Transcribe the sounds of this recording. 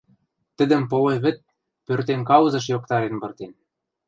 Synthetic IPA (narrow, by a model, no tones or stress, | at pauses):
t̪ɘ̆d̪ə̆mpoleβɘ̆t̪̚ | pørt̪enkɑwzɤ̆ʃ̬jok̚t̪ɑɾenbɤ̆rt̪en